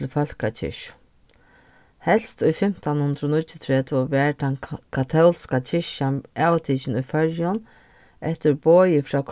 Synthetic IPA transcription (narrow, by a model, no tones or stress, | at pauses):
lfœl̥kat͡ʃʰɪ̰ʃʊ̥ | hɛl̥st̪ʊjfɪm̥t̪anhʊnt̪ɾʊnʊt͡ʃːɪt̪ʰɾɛːt̪ʰɪɔvɛːɹt̪ankʰat̪ʰɛlskat͡ʃʰɪʃaaːwt̪ʰiːt͡ʃɪnʊjfœɹjʊn | ɛht̪ɪɾboːjɪfɾaːkʰ